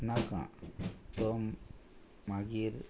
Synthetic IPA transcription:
nakã̰t̪omː | aɡiɾ

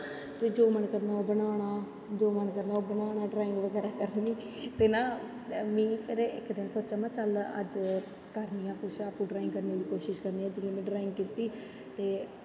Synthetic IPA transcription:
t̪eːd͡ʒoːmənkəɾnaːoːbənaːɽ̃aː | d͡ʒoːmənkəɾnaːoːbənaːɽaːɖɾaːɪ̃ŋɡʋəɡɛːɾaːkəɾniː | t̪eːnaː | mĩːpʰɪɾɪ̰kd̪ɪnsoːtːt͡ʃaːmãːt͡ʃələ̰d͡ʒ | kəɾnijãːkʊʃaːpũːɖɾaːɪ̃ŋɡkəɾneːliːkoːʃɪʃkəɾniːãːd͡ʒɪɡẽːmɛ̃ːɖɾaːɪ̃ŋɡ̚kiːt̪iː | t̪eː

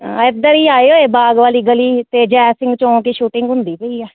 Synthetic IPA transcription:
ɪd̪əɾiːaːeːɦoːeːbaːɡʋaːliːɡəliːt̪eːd͡ʒɛːsɪ̃ŋɡt͡ʃõːkiːʃuːʈɪ̃ŋɡɦʊ̃nd̪iːpəiːɛː

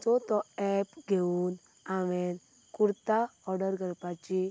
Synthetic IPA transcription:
t͡sɔt̪ɔɛpɡʱeun | aʋen | kuɾt̪aɔɾɖəɾɡəɾpat͡ɕi

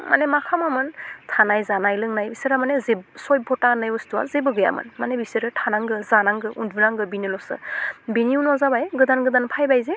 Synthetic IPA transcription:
ma̰nemakʰamɯmɯntʰanajzanajlɯŋnajbisɯɾamanezebsɔj̚bʱɔtanajɔstuwa̰zebɯɡɯja̰mɯ̰nmanebisɯɾɯtʰanaŋɡɯzanaŋɡɯʔunduɾaŋɡɯbinilɔsɯ̰biniunɔzabajɡɯdanɡɯdanpʰajbajze

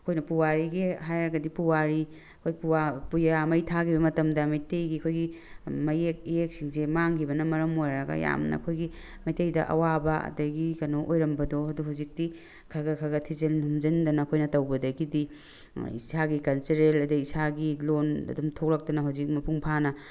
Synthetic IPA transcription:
ɐkʰojnɐpuwaɾiɡeɦajɾɐɡɐdipuwaɾi | ɐkʰojpuwapujamɐjtʰakʰibɐmɐtɐmdɐmɐjtejɡiɐkʰojɡi | mɐjek̚ijek̚siŋsemaŋɡibɐnɐmɐɾɐmojɾɐɡɐ̰ja̰mnɐ̰kʰojɡi | mɐjtejdɐʔɐ̰wabɐɐ̰dɐɡikɐnoʔojɾɐmbɐdoɦɐduɦawzik̚di | kʰɐɾɡɐkʰɐɡɐtʰizenhumd͡ʒɐndɐnɐɐkʰojnɐtɐwbɐdɐɡidi | ḭsaɡikɐlt͡ʃeɾelɐdɐisaɡilonɐ̰dumtʰok̚lɐk̚tɐnɐɦawzik̚mɐpuŋpʰanɐ

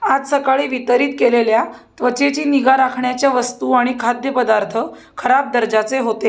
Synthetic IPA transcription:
ad͡zsəkaɭiːʋit̪əɾiːt̪̚keleljat̪ʋət͡ɕet͡ɕiːniɡaɾakʰɳjat͡ɕjaʋəst̪uaɽ̃ikʰad̪jəpəd̪aɾt̪ʰə | kʰəɾap̚d̪əɾd͡ʑat͡seɦot̪e

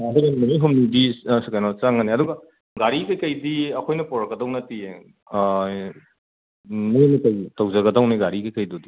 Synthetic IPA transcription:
ɐduɡɐmɐniɦumnidisekajnot͡ʃaŋɐniɐduɡa | ɡaɾikɐjkɐjdiɐkʰojnɐpɔɾɐkːɐdɐwnɐtie | mijnikɐwtɐwzɐɡɐdɐwniɡaɾikɐjkɐjdudi

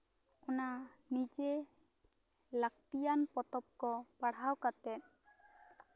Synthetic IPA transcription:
ɔnanid͡ʒe | lak̚t̪ijanpɔt̪ɔp̚kɔpaɽ̤awkat̪ɛt̪̚

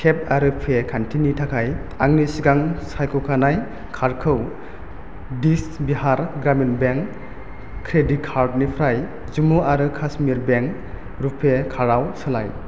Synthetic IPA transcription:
kʰep̚aɾɯpʰekʰantʰinitʰakʰajaŋnisiɡaŋsajkʰowkʰanaj | kʰaɾkʰɯw | disbiɦaɾɡɾaminbeŋʰː | ɾedit̚kʰaɾd̚nipʰɾaj | zumuaɾɯkʰasmiɾbeŋ | ɾupʰekʰaɾawsɯlaj

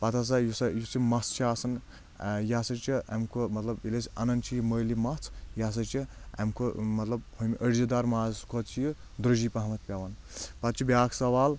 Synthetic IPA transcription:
pɐt̪ʰas̬ɐjusɐjut͡simɐst͡ʃʰaːsɐn | jaːsɐt͡ʃiḛmkʰomɐt̪lɐbilesʲɐ̰nɐnt͡ʃʰijiməjlimɐt͡sʰjas̬ɐt͡ʃiḛmkʰomɐt̪lɐbhomʲiʔəɽzid̪aɾmaːzkʰot͡ʃʰiji | d̪ɾɨd͡ʒiːpɐɦɐmɐt̪̚ʰpʲaʋɐn | pɐt̪t͡ʃʰibʲaːkʰsɐʋaːl

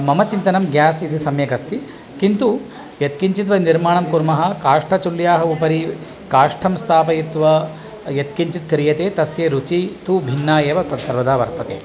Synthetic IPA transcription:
mɐmɐt͡ʃint̪ɐnɐmɡjaːsit̪ʰisɐmjɐkɐst̪i | kint̪u | jɐt̪̚kiɲt͡ʃit̪ʋɐniɾmaːɳɐmkuɾmɐɦɐ̆kaːʂʈʰɐt͡ʃuljaːɦɐupɐɾi | kaːʂʈʰɐmst̪ʰaːpɐjit̪ʋɐ | jɐt̪kiɲt͡ʃit̪kɾijɐt̪eːt̪ɐsjeːɾut͡ʃit̪ubʱinːaːjeːʋɐɐsɐɾʋɐd̪aːʋɐ̰ɾt̪ɐt̪ḛː

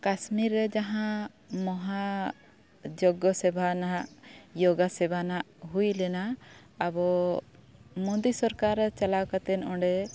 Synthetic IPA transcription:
kasmiɾːɛd͡ʒaɦã | mɔɦa | d͡ʒɔɡɔsɛbʱanaaʔjoɡasɛbʱanaʔɦujlɛna | abɔ | mod̪isɔɾkaɾɛt͡ʃalawkat̪ɛnɔ̃ɖɛ

